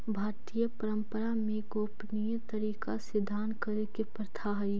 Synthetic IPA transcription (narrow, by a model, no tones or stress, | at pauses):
bʱaːɾt̪ijəpəɾə̃mpəɾamẽɡoːpnijət̪əɾiːkasɪd̪ʱaːnkəɾekepəɾt̪ʰaɦɐi